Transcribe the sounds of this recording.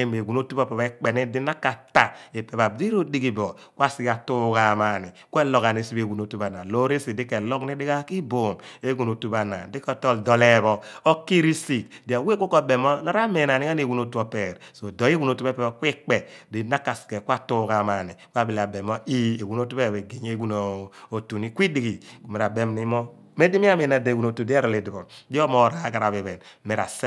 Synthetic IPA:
e˦me˨ɡu˨no˦tu˦bɔ˦˨pɛ˨βa˦k͡pe˨ni˦di˦na˦kːa˨ta˨e˨pe˨βa˨di˦ɾo˦di˦ɡi˨bɔ˨ | kʷwa˦si˦ka˨tu˦ka˨ma˨ni˨kʷe˦lɔ˨ka˨ne˨si˦be˨wu˨no˨˦tu˦ba˨na˨lo˦ɾi˦si˨di˦kɛ˨lɔ˦kni˦di˦ɡa˦ki˦bo˨me˦ɡu˨no˨tu˦ba˨na̰˨di˦kɔ˦tɔ˦ldɔ˨lɛ˦βɔ˨ɔ˦ki˦ɾi˦si˨kdi˨a˨we˦ko˦kɔ˦˨be˨mɔ˦na˦ɾa˦me˨na˨ni˦a˦n˦e˨wu˨no˦tu˦ɔ˦pɛ˨ɾso˨dɔ˨˦i˦wu˦no˨tu˦e˦pɛ˨˦kʷi˦k͡pe˨di˨na˦ka˨ske˨kʷa˦tu˦ka˨ma˨ni˨kʷa˦bi˨la˨be˨mɔ˦i˦e˨wu˨no˦tu˦βe˦˨e˨ɡe˨ɲ˦e˦ɡu˦no˨o˨tu˨ni˦kʷi˦di˨ɡi˨me˨ɾa˨be˦mni˦mɔ˦ | me˦di˦mi˦a˦me˨na˨de˨wu˨no˨tu˨di˦a˦ɾɔ˨le˨di˨bɔ˨di˦ɔ˦mɔ˨ɾa˨˦ɡa˨ɾa˨βe˨βɛ˨n˦me˨ɾa̰˨s

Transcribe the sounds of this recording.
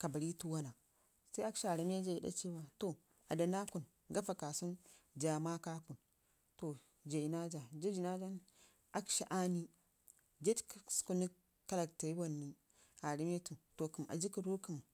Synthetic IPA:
ka˨ba˨ɾi˦tu˦wa˦na˨ | sa˦a˦kʃa˨ɾi˦m˦e˦d͡ʒa˨i˨˦da̰˦t͡ʃi˦wa˨to˨ | a˨da˨na˦ku˨n | ɡa˦fa˨ka˨su˦nd͡ʒa˨ma˦ka˦ku˨n | to˨ | d͡ʒa˨i˨na˦d͡ʒa˨d͡ʒa˦d͡ʒi˨na˦d͡ʒa˦n | ʔa˦kʃi˨ʔa˦ni˦ | d͡ʒe˦d͡ʒksku˦ni˦ | ka˦la˨kta˨i˦bo˨nːi˦ | a˨ɾi˦me˦tu˨to˨ku˨m˨a̰˨d͡ʒi˦ki˨ɾu˦ki˨m

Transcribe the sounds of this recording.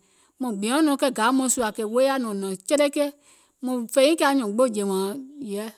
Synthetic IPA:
mɔ̃˨ɡ͡bĩ˨ɔ̃˨˦nɔ̃˨˦kɛ˧˨ɡa˨˦mɔ̃˧˦su˧a˨kɛ˧˨˦we˦a˦nɔ̃˨nɔ̃˨t͡ʃɛ˦ɾɛ˦kɛ˦ | mɔ̃˧˨fɛ˧˦ĩ˦kɛ˦˧˦a˧˨ɲɔ̃˨ɡ͡bo˦˨d͡ʒɛ˨wã˨˦jɛ˦

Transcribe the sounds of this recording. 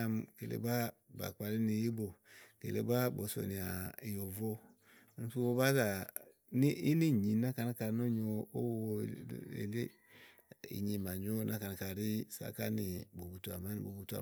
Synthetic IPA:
a˦mke˨lḛ˨˦ba˦ba̰˨k͡pa˨li˦ni˨ji˦bo˨kḛ˨lḛ˨˦ba˦bo˨˦so̰˨ni˨a˨i˨jo˨vo˦˨˦ | su˦wo˦ba˦za˨ | ni˦i˦ni˦˨ɲi˨na˦ka˨na˦ka˨no˦ɲo˨o˦wḛ˨le˦ | ḭ˨ɲi˨ma˨ɲ˦o˦nʔa˦ka˨na˨ka˨ɾi˦sa̰˨ka̰˦ni˨bo˨bu˨tu˨a˨ma˦n˨bo˨bu˨tu˦a̰˨

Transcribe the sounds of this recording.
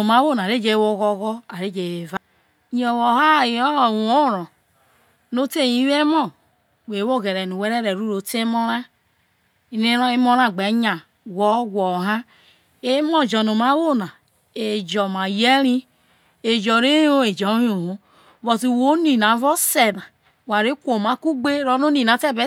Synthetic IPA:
o˨ma˨˦wo˦˨na˨ɾe˦d͡ʒe˦wo˦ɣɔ˦ɣɔ˦a˨ɾe˦˨d͡ʒe˨e˨va˦ | ɲ˦ɔ˨wɔ˨ha˦˨i˨ɔ˦ɔ˨wo˦˨ɾɔ̃˨ | no˦te˦˨ji˨˦we˦mɔ˦˨ | we˨wo˦˨ɣe˨ɾɛ˨nu˨we˦ɾe˦ɾe˨ɾu˦ɾo˨˦te˦mɔ˦ɾa˦ | i˦ne˦ɾɔ˦e˦mo˦ɾa˦˨ɡ͡be˨˦ɲa˨ | wɔ˦ɡɔ˨ɦa˦ | e˦mɔ˦˨d͡ʒɔ˨no˨ma˨˦wo˦na˨ | e˨d͡ʒɔ˨ma˨je˦ɾi˦ | e˨d͡ʒɔ˨ɾe˦o˦e˨d͡ʒɔ˨˦jo˨ho˦˨ | βɔ˨ti˨wo˨˦ni˨na˨˦vɔ˦se˨na˨ | wa˨ɾe˨˦kʷo˨ma˨˦ku˦ɡ͡be˦ɾɔ˦no˦ni˨na˨˦tɛ˦be˦

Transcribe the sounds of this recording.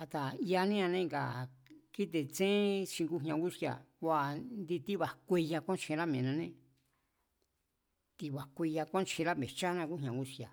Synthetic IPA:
a˧t̪a˨i˧a˧nĩ˦ã˧nẽ˦ŋɡa̰˨ki˦t̪̬e˧t͡sẽ˦t͡ʃĩ˧ŋɡu˦ɦɲã˧ɡu˦si˧a̰˨a˧nd̪i˧t̪i˦βa˨kʷe˧ja˧kʷã˦˧t͡ʃĩ˧ɾa˦mẽ˨nã˧nẽ˦ | t̪i˧βa˨kʷi˧ja˧kʷã˦˧t͡ʃĩ˧ɾa˦mẽ˨t͡ʃa˦nã˧ku˦ɦɲã˨ɡu˦sja̰˨

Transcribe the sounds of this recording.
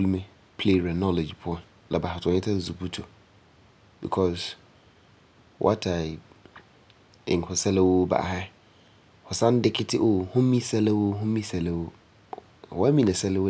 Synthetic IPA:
bu˦lmẽ˦ | pʰle˦˨ɾɛ˨nɔ˦le˨d͡ʒpʰʊ˦ɔ̃˨n | lʔa̰˨ba˨ha˨tʰʊ˨ɔ̃˨ɲɪ˦tʰa˦˨zu˨bu˦tʰo˨ | bḭ˨kʰɔ˦s | wʔa̰˦tʰa˨ɪ˨b | ɪ̰̃˨ŋ˨kʰʊ˨sɛ˦lɛ˦wo˦ba̰˨ha˦ | hɔ˨sã˦n˦dɪ˦kʰɪ˦tʰɪ˦ʔo˨hʊ̃˦mĩ˦sɛ˦lɪ˦wo˦ɦʊ̃˦mĩ˦sɛ˨lɛ˦wo˦˨ | wɔ˦a˦mĩ˦nã˨sɛ˦lɪ˦wo˦

